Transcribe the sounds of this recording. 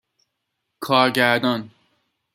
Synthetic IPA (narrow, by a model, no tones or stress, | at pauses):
kʰɒːɾɟæɾd̪ɒn